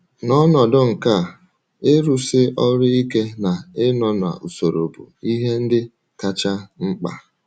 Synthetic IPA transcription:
nɔ˦nɔ˨dʊ˦ŋ̩˨ka˦˨ | e˦ɾu˦sɪ˦ʔɔ˦ɾɪ˦i˦ke˦na˨ɪ˦nɔ˨n˨a̰˨ʔu˨so˨ɾo̰˨bṵ˨i˦ɦe˦n̩˦dɪ˦ | ka˦t͡ʃa˦ŋ͡m̩˦k͡pa̰˦

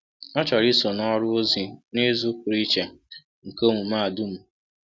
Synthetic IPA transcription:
ɔ˦t͡ʃɔ˨ɾi˦so˨nɔ˦ɾʊ˦o˦zi˨nɪ˦zʊ˦kɾi˦t͡ʃe˨ | ŋ̩˨ko˦ŋʷu˨ma˦a˨dʊ˦m̩˨

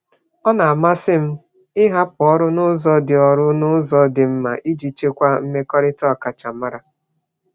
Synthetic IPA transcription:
ɔ˦na˨a˨ma˦sɪ˦m̩˦ | ɪ˦ɦa˦pʊ˨ɔ˦ɾʊ˦nʊ˦zɔ˦dɪ˨ɔ˨ɾʊ˦nʊ˦zɔ˦dɪ˨m̩˦ma˨ʔi˦d͡ʒi˨t͡ʃe˦kʷa˦m̩˦me˦kɔ˦ɾɪ˦tɔ˦˨ka˨t͡ʃa˨ma˦ɾa˨

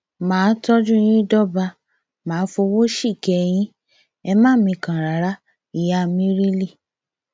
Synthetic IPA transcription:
mãː˨˦tɔ˦d͡ʒũ˦˧j̃ĩ˦dɔ˦˨ba˧ | mãː˨˦fo˧wo˦ʃi˦˨kɛ˧j̃ĩ˦ | ɛ˧mãː˦˨mĩ˧˨kã˨ɾa˨ɾa˦ | i˨ja˦mĩ˦ɾi˦li˦˨

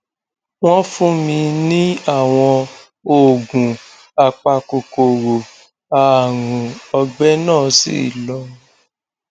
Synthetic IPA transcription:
w̃ɔ̃˦fũ˦mĩ˧nĩ˦a˦˨w̃ɔ̃˧ | o˦˨ɡũ˨ | a˨k͡pa˧ko˨ko˨ɾo˨ | a˧a˨ɾũ˨ɔ˧ɡ͡bɛ˦nãː˦˨sḭ˦˨lɔ˧˦

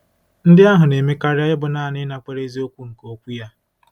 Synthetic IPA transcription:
n̩˦dɪ˦a˦ɦʊ˨ne˨me˦ka˦ɾɪ˦a˦jɪ˦bʊ˨na˦˨nɪ˦na˨kʷe˨ɾe˦zi˦o˦kʷu˦ŋ̩˨ko˦kʷu˦ja˦

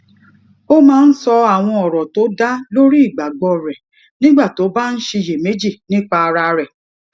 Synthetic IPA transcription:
o˦mãː˦n̩˦sɔ˧a˦˨w̃ɔ̃˧ɔ˨ɾɔ˨to˨˦da˦lo˦ɾi˦i˦˨ɡ͡ba˨ɡ͡bɔ˧ɾɛ˨ | nĩ˦ɡ͡ba˦˨to˨˦ba˦n̩˦ʃe˧je˨me˨˦d͡ʒi˦˨nĩ˦k͡pa˧a˧ɾa˧ɾɛ˨

